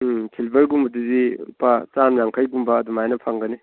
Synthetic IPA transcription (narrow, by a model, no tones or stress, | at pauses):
kʰilbɐɾɡumbɐduzipat͡ʃamjaŋkʰajɡumbɐːdumajnɐpʰaŋɡɐni